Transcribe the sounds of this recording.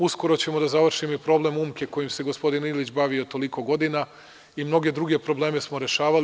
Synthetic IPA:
usko̞ɾo̞t͡ɕe̞mo̞d̪azaʋr̩ʃimoipɾo̞ble̞muːmke̞ko̞jimse̞ɡo̞spo̞d̪inilˠit͡ɕbaʋiot̪o̞liko̞ɡo̞d̪ina | imno̞ɡe̞d̪ɾuɡe̞pɾo̞ble̞ːme̞smo̞ɾe̞ʃaːʋal

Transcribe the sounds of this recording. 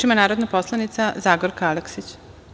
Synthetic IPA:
imanaːɾod̪napo̞slˠanit̪sazaːɡoɾkaleksit͡ɕ

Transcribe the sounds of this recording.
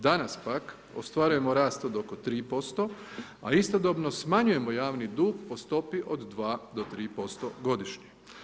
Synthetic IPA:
d̪anaspak | o̞̰st̪ʋaɾuje̞mo̞ɾaːst̪od̪o̞kot̪ɾiːpo̞st̪o | a̰ist̪od̪obno̞smaɲuje̞mojaːʋnid̪uːɡpo̞st̪o̞piʔo̞d̪ːʋaːd̪o̞t̪ɾiːpo̞st̪oɡo̞d̪iʃɲi

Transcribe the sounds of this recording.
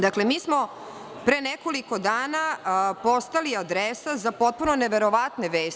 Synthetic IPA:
d̪akle̞miːsmo̞ | pɾeneko̞liko̞d̪aːnapo̞st̪aliad̪ɾesazapo̞t̪̚punoneʋe̞ɾoʋat̪ne̞ʋeːs

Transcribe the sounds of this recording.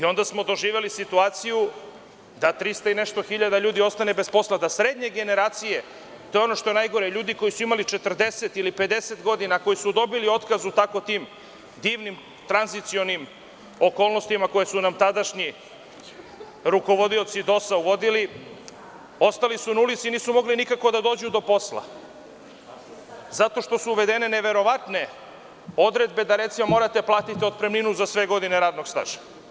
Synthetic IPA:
io̞nd̪asmo̞d̪o̞ʒiːʋe̞lisit̪uaːt̪siju | d̪at̪ɾist̪aineʃt̪o̞xiʎad̪aʎuːd̪io̞st̪ane̞bespo̞slad̪asɾeːd̪ɲe̞ɡe̞ne̞ɾaːt̪sije̞ | t̪o̞eo̞no̞ʃt̪o̞e̞najɡo̞ɾeʎuːd̪iko̞jisuimalit͡ʃe̞t̪r̩d̪e̞set̪ilipe̞d̪e̞set̪ɡo̞d̪inako̞jisud̪o̞bilio̞t̪kazut̪ako̞t̪iːm | d̪iːʋnim | t̪ɾanzit̪sio̞nim | o̞ko̞ːlˠno̞st̪imako̞jesunamt̪ad̪aʃɲi | ɾuko̞ʋo̞d̪io̞t̪sid̪o̞sauʋo̞d̪ili | o̞st̪alisunaulit̪siniːsumo̞ɡlinikako̞d̪ad̪o̞ːd͡ʑud̪o̞po̞slˠa̰ | zat̪o̞ʃt̪o̞suːʋe̞d̪e̞ne̞ne̞ʋe̞ɾo̞ʋat̪ne̞ | o̞d̪ɾe̞d̪be̞d̪aɾe̞t̪simomo̞ːɾat̪eplˠaːt̪it̪io̞d̪̚pɾemninuzasʋe̞ɡo̞d̪ine̞ɾaːd̪no̞ɡst̪a̰ʒḁ

